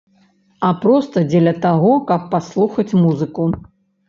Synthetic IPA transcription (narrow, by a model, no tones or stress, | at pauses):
apɾɔst̪ɐd͡zʲɛlʲɐt̪aɣɔkɐpːaslˠuxɐt͡sʲmuzɨku